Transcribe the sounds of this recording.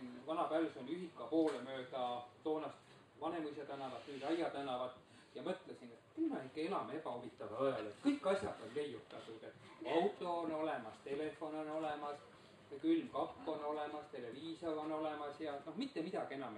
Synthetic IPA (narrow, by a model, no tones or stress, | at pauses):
vɑnɑpæːvesonyɦikˑːɑpo̞ːlemøːd̪̥ɑt̪o̞ːnɑst̪ | vɑne̞mused̪ænːɑvɑt̪nyːd̪ɑjɑd̪̥ænːˑɑvɑt̪ | jɑmɤt̪ːˑlesinet̪kylmɑikːˑeelɑmeepɑomit̪ːˑɑvɑɑjɑlet̪kɤjkːˑɑsʲjɑd̪̥o̞nle̞jːut̪ːˑɑt̪ˑud̪e̞t̪ːˑ | ɑwt̪ːˑo̞ːno̞lemɑst̪e̞le̞fo̞no̞no̞le̞mɑs | kylmkɑkːo̞no̞le̞mɑst̪e̞le̞viːsoono̞le̞mɑsjɑno̞hmit̪ːemid̪ɑɡ̥ie̞nɑm